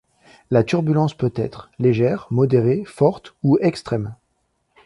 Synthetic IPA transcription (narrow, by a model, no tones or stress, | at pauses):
lat̪yʁbylɑ̃spøt̪ɛ̰t̪χleʒɛʁmɔd̪eʁefɔʁt̪uɛkst̪χɛm